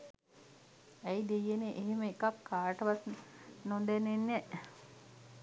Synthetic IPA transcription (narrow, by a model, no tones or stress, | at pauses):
æjd̪ejːeneʔeɦeməekakʰːaːɾʈəʋat̪nond̪enenːɛ